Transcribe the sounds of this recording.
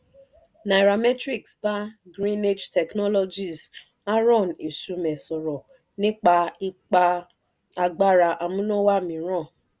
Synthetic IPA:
na˨ɾa˨mɛ˦tɾi˦˨ksba˦ɡɾĩ˦ne˦d͡ʒtɛ˨knɔ˦lɔ˦d͡ʒi˨z | a˦ɾɔ˦˨n˨i˨su˨mɛ˨sɔ˨ɾɔ˨ | nɪ̃˦k͡pa˧i˦k͡pa˦ | a˨˧ɡ͡ba˦ɾa˧ʔa˨mũ˦nõ˦wa˦˨mĩ˨˦ɾɔ̃˦˨

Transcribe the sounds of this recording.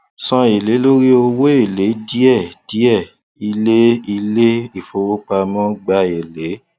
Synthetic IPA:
sã˧e˨le˨˦lo˦ɾi˦o˧we˦e˦˨le˨˦di˦ɛ˦˨d̥i˨˦ɛ˦˨ | i˧le˦i˧le˦i˦˨fo˨˦wo˦k͡pa˧mɔ̃˦ɡ͡ba˧e˨le˨˦

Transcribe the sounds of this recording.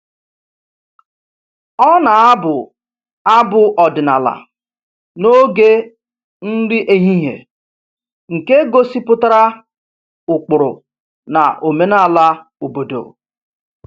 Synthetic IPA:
ɔ˦na˨a˦bʊ˨ | a˦bʊ˨ʔɔ˨dɪ˨na̰˨la̰˨ | no˦ɡe˦ | n̩˦dɪ˦ʔe˨ɲi˦ɦḛ˨ | ŋ̩˨ke˦ɡo˦si˦pʊ˦ta˦ɾa˦ | ʊ˨k͡pʊ˨ɾʊ̰˨ | na̰˨ʔo˨me˦na˦˨la˦o˨bo˨do̰˨

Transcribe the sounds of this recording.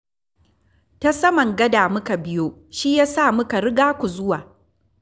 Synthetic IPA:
ta˦sɐ˦mɐ˨ŋɡɐ˦daː˨mʊ˦ka˨bɪ˦joː˦ʃiː˦jaː˦saː˦˨mʊ˦ka˨ɾɪ˦ɡaː˦kʷu˨zʊ˦waː˨

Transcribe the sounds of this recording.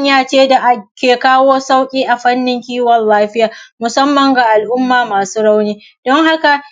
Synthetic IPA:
ɲjaː˦˨t͡ʃeː˦da˨ʔa˦kʲeː˨kaː˦woː˦sa˦wkʲʼiː˦ʔa˨ɸɐ˦nːɪ˦ŋkʲiː˦wɔ˨nlaː˦ɸɪ˦jaː˨mʊ˨sɐ˦mːɐ˨ŋɡa˨ʔa˨lʔʊ˦mːaː˨maː˨suː˦ɽa˦wniː˦ | d̥ɔ˦ŋɦa˦ka˨

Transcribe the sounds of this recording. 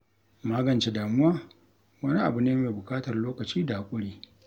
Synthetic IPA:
maː˦ɡɐ˨nt͡ʃe˦daː˨mʊ˦waː˦ | wɐ˦ni˦ʔa̰˨bʊ˨neː˦meː˨bʊ˨kʼaː˦tɐ˨rloː˦kɐ˨t͡ʃiː˦daː˨kʷʼʊ˦ɽiː˦

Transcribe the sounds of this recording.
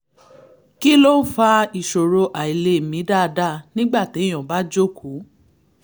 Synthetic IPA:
ki˦lo˦fa˧i˨ʃo˨ɾo˧ʔa˨i˨le˧˦˨mĩ˨˦da˦˨˧da˦˨nĩ˦ɡ͡ba˦˨te˨˦j̃ɔ̃˨ba˦d͡ʒo˦˨kʰu˨˦

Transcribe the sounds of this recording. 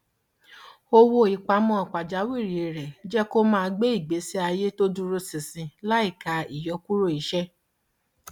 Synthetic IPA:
o˧wo˧i˨k͡pa˧˦mɔ̃˧˦ɔ˨k͡pa˨d͡ʒa˨˦wi˦˨ɾi˨˦e˨ɾɛ˨d͡ʒɛ˦ko˦mã˦˧ɡ͡be˦i˦˨ɡ͡be˨˦si˦a˧je˦to˦dũ˦ɾo˧sĩ˨sĩ˧la˦i˦˨ka˨˦i˦˨jɔ˧˦ku˦ɾo˦˨i˨˦ʃɛ˦

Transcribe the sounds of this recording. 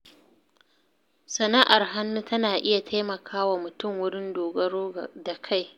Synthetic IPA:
sɐ˨naː˦ʔa˨rɦa˦nːu˦tɐ˦naː˨ʔɪ˦ja˨tʰa˦jmɐ˨kʰaː˦wa˨mʊ˨tʊ˦˨ŋwʊ˦ɽɪ˦ndoː˨ɡɐ˦ɽoː˦da˨kʰa˦˨j

